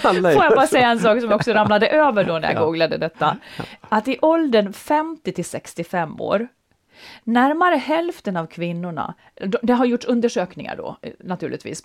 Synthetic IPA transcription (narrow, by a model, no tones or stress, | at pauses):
foːjabɑːɾasɛjːaɛnsɑːksɔmjaɔksɔɾamlad̪əʔøːvəɖɔnæ̰ɾja̰ɡuːɡlad̪ə̰d̪ɛt̪ːaat̪ɪʔɔld̪ənfɛmt̪ɪt̪ʰɪlsɛkst̪ɪfɛmːo̰ːɾ | næɾmaɾəɦɛlft̪ənavkʰvɪnːʊɳa̰ | d̪ɔd̪ɛɦaɾjʊʈʂɵnd̪əʂøːknɪŋa̰ɖɔ̰nat̪ʰʉ̟ːɭʔɪ̰t̪vḭːs